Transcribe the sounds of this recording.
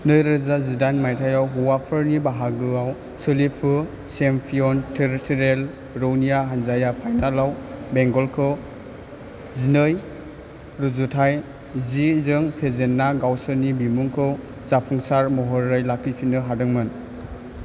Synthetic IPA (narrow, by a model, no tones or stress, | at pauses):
nɯjɾezazidanmajtʰajawɦuwapʰɯɾnibaɦaɡɯaw | sɯlipʰɯ | sempʰiɔntʰeɾitʰiɾel | ɾownijaɦanzajapʰajnalawbeŋɡɔlkʰɯ | zinɯj | ɾuzutʰaj | zizɯŋpʰezenːaɡawsɯnibimuŋkʰɯ | zapʰuŋsaɾmɔɦɔɾːɯjlakʰːipʰinɯɦadɯŋmɯn